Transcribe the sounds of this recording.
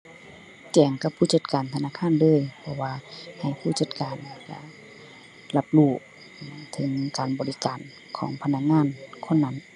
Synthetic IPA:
t͡ɕɛː˨˩ŋka˧pʰuː˧˩t͡ɕa˧˩t̪̚kaː˨nt̪ʰa˧naː˧˥˨kʰaː˧˥˨nlɤː˧˥˨jpʰɔ˧waː˧ha˨˩jpʰuː˧˥˩t͡ɕa˧˩t̪̚kaː˨˩n˧ka̰˧˩ | la˧p̚luː˧˩ | t̪ʰɤ˨˦ŋkaː˨˩nbɔː˨li˧kaː˨n | kʰɔː˨˦ŋpʰa˧na˧˥k̚ŋaː˧˥˨nkʰo˧˥˨nːa˧˥n

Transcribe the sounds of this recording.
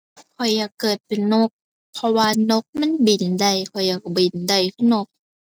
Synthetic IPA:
kʰɔ˨˩jːaː˨˩kːɤː˨˩t̪̚pe˨˩nno˧˦˥k̚ | pʰɔ˧waː˧no˧˦˥k̚ma˧˥˨nbi˨˩nda˧˩jkʰɔ˨˩jːaː˨˩k̚bi˨˩nda˨˩jkʰɯ˧˩no˧˦k̚

